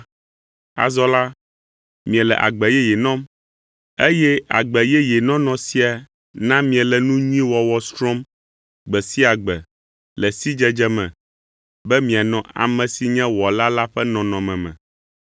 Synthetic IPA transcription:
a̰˨zɔ˦la˦ | mĩ˨ɛ̃˨lɛ̰˨ʔa̰˨ɡ͡bɛ˨jɛ˦jɛ˨nɔ̃˦m | e˦jɛ˦a̰˨ɡ͡bɛ˨jɛ˦jɛ˨nɔ̃˦nɔ̃˨si˦a˨ | nã˦mĩ˨ɛ˨lɛ˨nũ˦ɲĩ˦wɔ˨wɔ˨st̪ɾɔ̃˦m | ɡ͡bɛ˨si˦a˨ɡ͡bɛ˨ | lɛ˨si˦d͡ʒɛ˦d͡ʒɛ˦mɛ̰̃˨ | bɛ˦mĩ˨a˨nɔ̃˨ʔa̰˨mɛ̃˨si˨ɲɛ̃˦wɔ˨la˦la˦ɸɛ˦nɔ̃˨nɔ̃˨mɛ̃˨mɛ̰̃˨

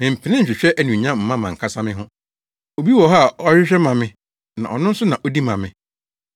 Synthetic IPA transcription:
mɪ̃˨m̩˨pʰɪ˨nɪ̃˦ɲ̩˨ɕᶣɪ˨ɕᶣɛ˦ʔæ˨nũ˨ɲã˦m̩˨mã˦mã˨ŋ̩˨kʰa˦sã˦mɪ̃˦ɦʊ̃˦ | o˨bi˦wɔ˨ɦa˦a˨ɔ˦ɾɪ˦ɕᶣɛ˦mã˨mɪ̃˦ | nã̰˨ʔɔ˨nʊ̃˦n̩˦sʊ˦nã˨ʔɔ˦di˦mã˨mɪ̃˨

